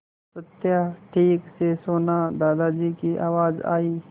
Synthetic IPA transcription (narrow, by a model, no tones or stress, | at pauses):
sət̪jaʈʰiːksesoːnad̪aːd̪ad͡ʒiːkiʔa̰ːʋaːd͡ʒa̰ːiː